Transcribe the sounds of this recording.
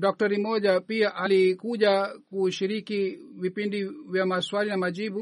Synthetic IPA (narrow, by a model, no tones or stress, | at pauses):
ɗɔk̚tɔɾimɔʄapiaʔalikuʄakuʃiɾikivipindivjamaswalinamaʄiɓu